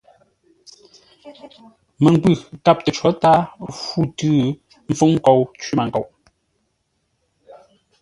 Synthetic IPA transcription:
mə˨ŋ˨k͡pʉ˦˨ka˦˨p̚tə˨t͡ʃwɔ˨˦ta˦fu˦˨tʉː˦ | m̩˨fu˦ŋ̩˦ko˨wt͡ʃwi˦˨ma˨ŋ̩˨ko˨w

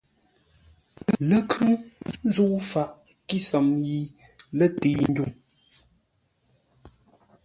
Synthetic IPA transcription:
lə˦kʰʉ˦n˦zu˦fa˨ʔ | ki˦sə˨mji˨ | lə˦˨te˨n̩˦du˦˨ŋ

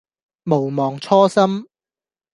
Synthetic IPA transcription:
mo˨˩wmɔː˨ŋt͡ʃʰɔː˥sɐ˥m

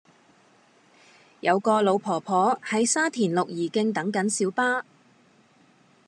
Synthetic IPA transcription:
jɐ˨˧wkɔː˧lo˨˧wpʰɔː˨˩pʰɔː˨˥hɐ˨jsaː˥t̪ʰiː˨˩nlʊ˨k̚jiː˨˩kɪ˧ŋt̪ɐ˨˥ŋkɐ˨˥nsiː˨˥wpaː˥

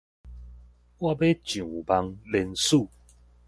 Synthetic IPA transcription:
wa˦˧be˦t͡ɕjũ˨ba˧ŋlɛ˧nsu˥˧˨

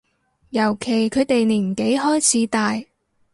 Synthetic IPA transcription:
jɐ˨˩wkʰe˨˩jkʰɵ˨˧ɥt̪e˨jniː˨˩m˨˩ke˨˥jhɔː˥jt͡sʰiː˨˧˥t̪aː˨j

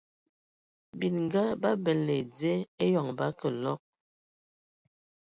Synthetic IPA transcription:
bi˨nŋ˦ɡa˦ba˦bɛ˨le˨d͡ze˦e˦jɔ˨ŋba˦kə˨lɔ˦k̚

